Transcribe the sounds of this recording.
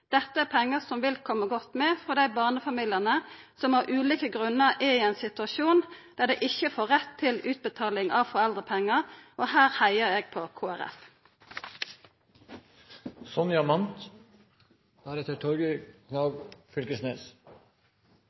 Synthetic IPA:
d̪̥ɛt̪ːəæːpʰɛŋːəsɔmʋɪlkʰɔmːəɡɔt̪ːmɛfɔd̪æɪbɑːʁnəfɑmiːləʁnəsɔmhɑʁʔʉːliːkəɡʁʉnːəʁɛiɛɪnsɪt̪ʉɑʃuːnd̪̥æːd̪ɛɪʔɪçəfoːʁɛt̪ʰːɪlʉːt̪̚bət̪ʰɑːlɪŋʔɑːʋfɔʁɛld̪ʁəpʰɛŋːəʁʔoːhæːɾhæɪəɾeːɡ̚pʰoːkʰoːæʁɛ̰f | sɔnjɑmɑnt̪ | d̪̥æːɾɛt̪əʈʰɔɾɡəkʰnɑːɡfʏlkəsneːs

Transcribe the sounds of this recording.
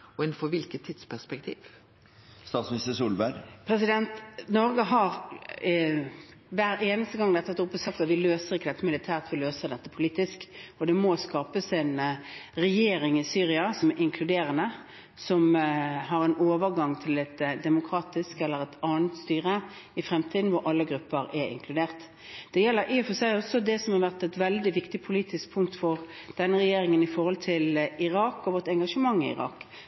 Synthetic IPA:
ɔɛnfɔʋɪlkət̪ʰːit̪spʰæʂpɛkt̪ʰḭːʋ | st̪ɑːt̪smɪnɪst̪əʂuːlbæɡpʰɾɛsɪd̪ɛnt̪nɔɾɡəɦɑɾ | ʋæɾeːnəst̪əɡɑŋd̪ɛt̪ːəɑt̪ʊpːɔsɑk̚t̪ɑt̪ʋɪløːsəʁɪkːəd̪ɛt̪ːəmɪlɪt̪ʰæːʁt̪ʋɪløːsəʁd̪ɛt̪ːəpʰʊliːt̪ɪskɔd̪ɛmɔskɑːpəsɛɪnʁɛjeːɾɪŋɪsyːʁɪɑsɔmæɾɪŋkʰlʉd̪eːɾənə | sɔmɦɑɾɛnoːʋəɾɡɑŋt̪ʰɪlɛt̪d̪ɛmʊkʰɾɑːt̪ɪskɛlːəɾɛt̪ʰɑːnət̪st̪yːʁə | ɪfɾɛmt̪ʰiːd̪n̩ʋɔɾʔɑlːəɡɾʉpːəɾɛɾɪ̰ŋkʰlʉd̪eːʁt̪ | d̪̥ɛjɛlːəɾʔifɔsæɪɔsɔd̪ɛsɔmhɑʁʋæʁt̪ɛt̪ʋɛld̪ɪʋɪkt̪ɪpʰʊliːt̪ɪsk̚pʰʊŋk̚t̪fɔʁd̪̥ɛnːəʁɛjeːɾɪŋənɪfɔɾhɔlt̪ʰɪlɪʁɑːkɔʋɔt̪ɛŋɡɑʂəmɑŋːɪ̰ɪ̰ʁɑ̰ːk

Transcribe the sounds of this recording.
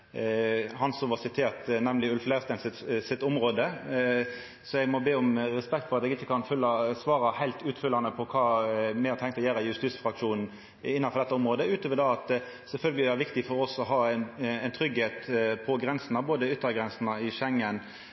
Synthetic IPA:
hɑnsɔmʋɑsɪt̪ʰeːʁt̪nɛmlɪʉlflæst̪ɛɪnsɪsɪt̪ːʊmɾoːd̪ə | sɔɛɡmɔbeːɔmɾɛspɛk̚t̪fɔɾʁɑt̪ɛɡɪçːəkʰɑnfʉlːɑsʋɑːɾɑhæɪlt̪ʉːt̪fʏlːɑnəpʰɔkʰɑːmɛɑɾt̪ʰɛŋkt̪ɔjæːɾəɪjʉst̪iːsfɾɑkʂuːnn̩ | ɪnːɑnfɔɾdɛt̪ːəʊmɾoːd̪əʉːt̪ʰoːʋəɾɖ̪ɑɑt̪ | sɛlfœlɡəlɪæɾʋɪkt̪ɪfɔɾɔsɔɦɑːɛnɛɪnt̪ʰɾʏɡheːt̪pʰɔɡɾɛnsn̩ɑboːd̪əʏt̪ːəɡʁɛnsn̩ɑɪʃɛŋːən

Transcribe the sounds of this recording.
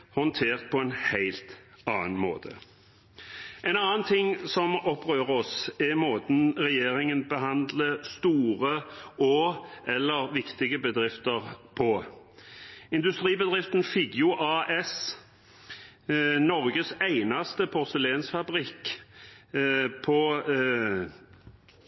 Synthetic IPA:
hɔnt̪ʰeːʁt̪̚pʰɔɛnhæɪlt̪ | ɑːnmo̰ːt̪ʰə̰ | ʔɛnɑːnt̪ʰɪŋːsɔmɔpːʁøːʁəɔsɛmoːt̪n̩ʁɛjeːʁɪŋənbəɦɑnd̪ləst̪uːʁəoːʔɛlːəʁʋɪkt̪ɪɡəbəd̪ʁɪft̪əʁpʰɔ | ɪnd̪ʉst̪ɾiːbəd̪ʁɪft̪nfɪɡjʊʔɑːʔɛs | nɔʁɡəsæɪnɑst̪əpʰɔɾsəleːnsfɑbʁiːk | pʰɔ

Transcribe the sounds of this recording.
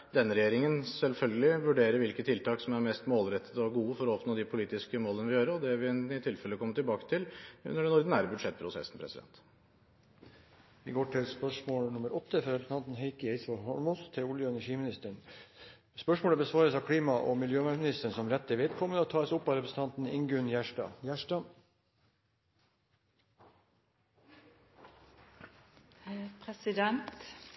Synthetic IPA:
d̪ɛnːəɾɛjeːɾɪŋənsɛlfœlɡəlɪʋʉɖeːɾəɾʋɪlkət̪ʰɪlt̪ʰɑːksɔmæɾmɛst̪moːlɾɛt̪ʰːə̥t̪ɔɡuːəfɔɾɔɔpnoːd̪ɪpʰʊliːt̪ɪskəmoːlənəʋɪjøːɾəɔd̪ɛʋɪnɪt̪ʰɪlfɛləkʰɔmːəʈ̪ɪlbɑːkə̥t̪ʰɪlʉ̰nːəɖɛnːɔɾd̪n̩æɾbʉd̪ʂɛt̪̚ːpʰɾʊsɛ̰sn̩pʰɾɛ̰sɪd̪ɛ̰nt̪ | ʋɪɡoːʈʰɪlspœʂmoːlnʊməɾʔɔt̪ːəfɾɑɛɾsəɑnt̪n̩ɦɛɪkəɛɪsʋɑlɦɔɭmʊːst̪ʰɪlʊljəɛnəʂiːmɪnɪst̪əɳ | spœʂmoːɽəbəsʋɑːɾəsɑːkʰɽiːmɑʔoːmɪljøːmæʂmɪnɪst̪əɳsɔmɾɛt̪ːəʋɪd̪kʰɔmːənoːt̪ʰɑːəsʊpːɑɾɛpɾəsət̪ɑnt̪n̩ɪ̰ŋɡʉnjæʂʈɑ̰ːjæʂʈɑ | pʰɾɛsɪd̪ɛnt̪

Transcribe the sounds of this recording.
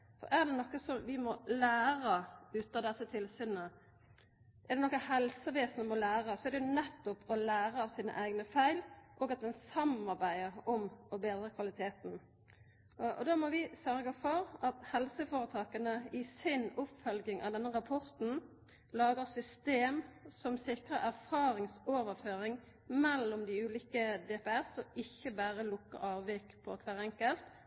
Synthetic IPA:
fɔ̰ʁɛʁd̪ɛnɔkːəsɔmʋɪmɔlæːɾəʉːt̪ɑd̪ɛsːət̪ʰɪlsyːnə | ʔɛʁd̪ɛnɔkːəhɛlsəʋeːsnəmɔlæːʁəsɔɛʁd̪ɛjʊnɛt̪ːʊpʰɔlæːʁəɑʋsiːnə̰ʔæɪɡnəfæɪlʔoːɡɑt̪̚d̪ɛnsɑmɑʁbæɪəʁɔmɔbeːd̪ʁəkʰʋɑlɪt̪ʰeːt̪n̩ | ɔ̰d̪ɑmɔʋɪsœʁɡəfɔɾɑt̪hɛlsəfoːɾət̪ʰɑːkənəɪsɪnʊpfœlɡɪŋʔɑ̰ʋd̪ɛnːəʁɑpʰɔɾt̪n̩ | lɑːɡəʁsʏst̪eːmsɔmsɪkʁəɾæʁfɑːɾɪŋsoːʋəʁføːɾɪŋ | mɛlːɔmd̪ɪʉːliːkəd̪ɛːpɛæʁsɔɪçːəbæːʁəlʊkːə̰ʁɑːʋʋiːkpʰɔ̰kʰʋæːʁɛŋkəlt̪

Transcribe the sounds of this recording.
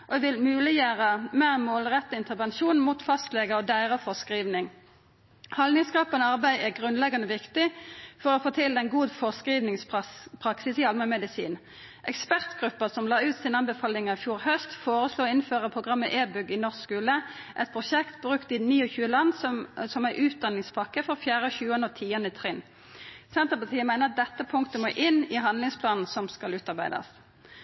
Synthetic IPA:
ʔoʋɪlmʉːlɪjøːʁəmeːʁmoːlʁɛt̪ːəɪnt̪əʁʋɛnʃuːnmuːt̪fɑst̪lɛɡəɔd̪æɪʁəfɔʁskʁiːʋnɪŋ | hɑlnɪŋskʁɑpːənəɑʁbæɪæɡʁʉnlɛɡɑnəʋɪkt̪ɪfɔʁoːfoːt̪ʰɪld̪ɛnɡuːd̪fɔskiːʋnɪŋspʰʁɑksɪsiːɑlmɛmɛd̪ɪsḭːn | ʔɛkspæʁt̪ɡ̥ʁʉpːəsɔmlɑːʉːt̪sɪnəɑnbəfɑːlɪŋɑɪfjuːʁhœst̪foːʁəsluːɪnføːʁəpʰʁʊɡʁɑmːəʔeːbʉɡɪnɔʁsskʉːləʔɛt̪pʰʁʊʃɛkt̪̚bʁʉkt̪ɪniːɔçʉːəlɑnːsɔsɔmæɪʔʉːt̪̚d̪ɑnːɪŋspʰɑkːəfɔʁfjæːʁəɔçʉːənəɔt̪ʰiːənəɪt̪ʰʁɪn | sɛnt̪əpɑʁt̪ʰiːəmæɪnəɑt̪̚d̪ɛt̪ːəpʰʊŋkt̪əmoːʔɪnːɪɦɑnlɪŋspʰlɑːnn̩sɔmskɑlʉːt̪ɑʁbæɪd̪ɑ̰s

